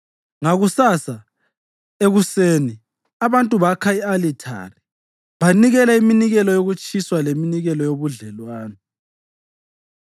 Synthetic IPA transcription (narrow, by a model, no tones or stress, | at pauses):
ŋaɣusasa | eɣuseːni | aβantʼuβakʰaialitʰa̰ri | βaniɣɛlaiminiɣɛlɔjoɣut͡ʃʼiswaleminiɣɛlɔjoβuɮɛlwaːnɛ